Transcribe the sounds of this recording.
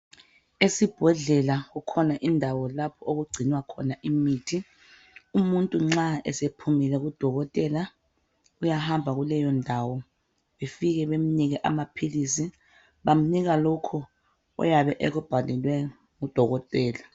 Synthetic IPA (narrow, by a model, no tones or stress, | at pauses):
esib̥ʱɛɮɛlaɣukʰɔnaʔindʱawɔlapʰɔoɣuɡ͡ǀʱiniwakʰɔnaʔimiːtʰi | umuntʼuŋ͡ǁaɛ̰sepʰumilɛɣud̥ʱɔɣɔtʼɛla | ujahambʱaɣulɛjɔndʱawɔ | βefiɣɛβem̩niɣɛʔa̰mapʰilisi | βam̩niɣalɔkʰɔ | ɔ̰jaβɛʔɛɣub̥ʱalɛlwɛ | ŋud̥ʱɔɣɔtʼɛːla